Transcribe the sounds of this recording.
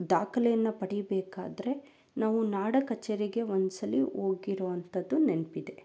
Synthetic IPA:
d̪aːkɐlɛjɐnːɐpɐɽibɛːka̰ːd̪ɐɾe̞ | naːʋunaːɽɐkɐt͡ʃːeːɾiɡe̞ʋonsɐliʔoːɡiɾoːʋɐnt̪ɐd̪ːunenpid̪e̞

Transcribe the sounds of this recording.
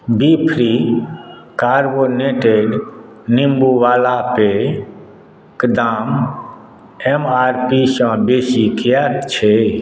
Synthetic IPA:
bipʰɾi | kaɾboneʈeɖ | nimbuʋaːlape | kd̪aːm | emaɾpisə̃besikjat̪t͡ʃʰɛ

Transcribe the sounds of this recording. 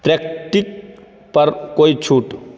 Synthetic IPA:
pɾek̚ʈik | pɐɾkoːit͡ʃʰuːʈ

